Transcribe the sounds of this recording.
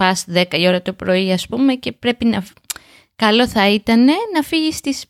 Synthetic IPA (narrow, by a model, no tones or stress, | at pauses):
ɐsðe̞kɐio̞ɾɐt̪opɾo̞iɐspume̞ce̞pɾe̞pinɐ | kɐlo̞θɐit̪ɐne̞nɐfiʝist̪is